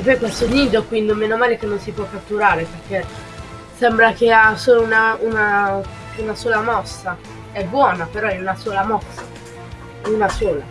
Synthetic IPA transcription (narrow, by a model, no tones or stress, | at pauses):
epːɔjkwɛst̪oniːd̪okwind̪omeːnomaːlekenːonsipwɔkːat̪ːuɾaːɾeperk̟e | sɛmbɾakeasoːlounauna | unasoːlamɔsːa | ɛbːwɔːnapeɾɔɛunasoːlamɔsːa | unasoːla̰